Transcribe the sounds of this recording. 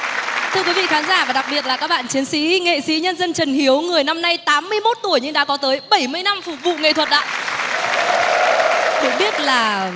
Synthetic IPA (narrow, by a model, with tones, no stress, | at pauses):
t̪ʰɨ˧əkwi˨˦vḭ˧˨xaː˨˦nzaː˧˩vaː˨˩ɗa˨˩k̚ɓi˨˩ət̚laː˨˩kaː˦˥k̚ɓa̰ː˧˨nt͡ɕi˨˦ənsḭ˧˥ŋḛ˧˨sḭ˧˥ɲə˧nzə˧nt͡ɕə˨˩nhi˨˦əwŋɨ˨˩əjna˧mna˧jt̪aː˨˦mːɨ˧əjmo˦˥t̚t̪u˧˩əjɲɨ˧ŋɗa̰ː˧˥kɔ˨˦t̪əː˨˦jɓə˧˩jmɨ˧əjna˧mfʊ˨˩k̚vṵ˧˨ŋḛ˧˨t̪ʰwə˨˩t̚ʔa̰ː˧˨ | kʊ̰˧˥ŋ͡mɓi˦˥ət̚laː˨˩